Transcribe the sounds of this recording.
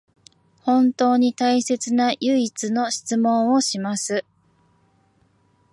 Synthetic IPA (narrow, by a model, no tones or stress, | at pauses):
hõ̞nt̪o̞ːɲ̟it̪aise̞t͡sɨnajɯ̟it͡sɨno̞ɕi̥t͡sɨmõ̞ɰ̃o̞ɕimasɨ